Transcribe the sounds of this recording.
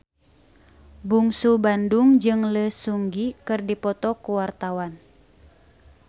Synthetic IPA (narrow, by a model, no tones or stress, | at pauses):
buŋsubanduŋd͡ʒɨŋləsuŋɡikɨrdipɔt̪ɔkuwart̪awan